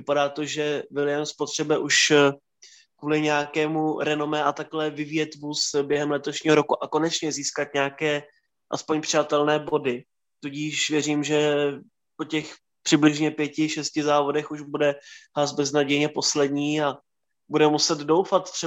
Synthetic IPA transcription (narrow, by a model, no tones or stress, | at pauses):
vɪpadaːt̪o̞ʒɛvɪlɪjanspo̞t̪r̥ɛbɛʔuʃ | kvuːlɪɲɛakɛːmuɾɛno̞mɛʔat̪aklɛvɪvjɛt̪vusbjɛɦɛmlɛt̪o̞ʃɲiːɦo̞ɾokuʔako̞nɛt͡ʃɲɛziːskat̪ɲaakɛː | ʔa̰spoɲpr̥ɪat̪ɛlnɛːbo̞dɪ | t̪uɟiːʃvjɛriːmʒɛ | po̞cɛx | pr̥ɪblɪʒɲɛpjɛcɪʃɛscɪzaːvo̞dɛxuʒbudɛɦlazbɛznaɟɛjɲɛpo̞slɛdɲiːa | budɛmusɛd̪dowfat̪t̪r̥ɛ